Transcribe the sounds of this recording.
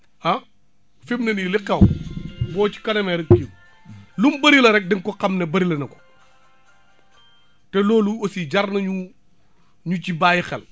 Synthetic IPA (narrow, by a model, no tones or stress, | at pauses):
ɐ | fimnɐniliqɛwbɔːci̥kɐnɐmɛɾɐkkːi | lumbɐɾilɐɾɛk̚dɛŋkɔqɐmnebɐɾilɐnɐko̥ | tɛlɔːluosiɟarnɐɲu | ɲucibaːjixɛl